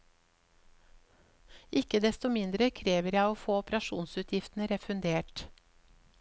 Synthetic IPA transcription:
ʔɪkəd̪ɛst̪ɔmɪnd̪ɾəkʰɾeːʋəɾjæɪoːfoːɔpɾɑʃṵːnsʉːt̪ʰjɪft̪n̩əɾɛfʉnd̪eːʈ

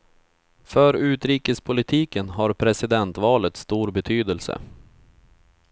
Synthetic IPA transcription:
fœɾʉ̟ːt̪ɾiːkəspʰʊlɪt̪ʰiːkənɦaɾpʰɾɛsɪd̪ɛnt̪vɑːlət̪st̪uːɾbɛt̪ʰyːd̪əlsə̰

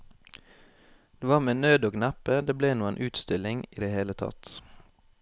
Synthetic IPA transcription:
d̪̥eːʋɑːʁmeːnøːd̪oːɡnæpəd̪eːbleːnuːənʔʉːt̪st̪ɪlɪŋḭːd̪eːheːlət̪ʰɑ̰t̪

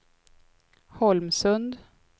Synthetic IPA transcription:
hɔlmsɵnd̪

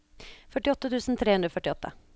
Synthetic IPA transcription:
fœʈɪɔt̪ːət̪ʰʉːsnt̪ʰɾeːhʉnd̪ɾɔfœʈɪɔt̪ːə̰

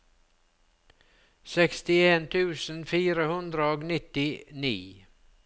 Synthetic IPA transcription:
sɛkst̪ɪeːnt̪ʰʉːsn̩fiːɾəhʉnd̪ɾəoːɡnɪt̪ɪnḭː

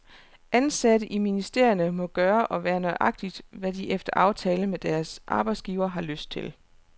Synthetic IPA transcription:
ʔænsæɾəʔiminisd̥e̝ɐ̰jənəmɒ̽ɡ̥ɶːɐʔɒ̽ʋæːɐnɒɪʔɑ̈ɡ̥̚d̥id̥ʋæd̥iʔefd̥ɐʔɑ̈ʊt͡sʰɛːləmed̥æɐsʔɑ̈ːb̥ɑ̈ɪ̥sɡ̥iːʊɐɦɑ̈løsd̥̚t͡sʰe̝l

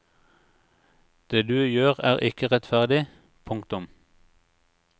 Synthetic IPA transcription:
d̪̥eːd̪ʉːjøːʁæːʁɪkəʁɛt̪fæʁd̪ɪ | pʰʊŋk̚t̪ʊm

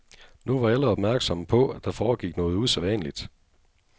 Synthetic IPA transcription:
nuʋɑ̈æləɒ̽b̥mæɐɡ̥sɒ̽mpʰɔ̽æd̥ɑ̈fɒːɡ̥iɡ̥nɔ̽ːð̞̩ˠuseʋɛnəlid̥

